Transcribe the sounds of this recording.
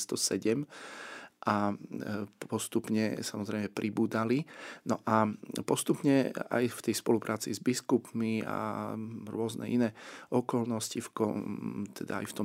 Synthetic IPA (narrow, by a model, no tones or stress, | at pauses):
st̪ɔsɛɟɛm | ʔa | pɔst̪upɲɛsamɔzɾɛjmɛpɾʔibuːd̪alinɔʔapɔst̪upɲɛa̰jft̪ɛjspɔlupɾʔaːt͡sizbiskupmia̰ɾʊɔznɛ̰ʔinɛːɔkɔlnɔscifkɔt̪ʰɛd̪a̰a̰jft̪ɔ